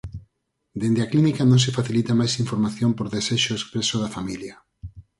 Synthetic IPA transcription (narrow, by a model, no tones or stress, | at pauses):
d̪end̪eaklinikanõŋs̬efaθilit̪amajsiɱfoɾmaθjõmpoɾðeseʃoeskpɾesoðafamilja